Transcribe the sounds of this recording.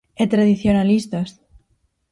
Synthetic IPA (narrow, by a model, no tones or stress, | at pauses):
et̪ɾaðiθjonalist̪as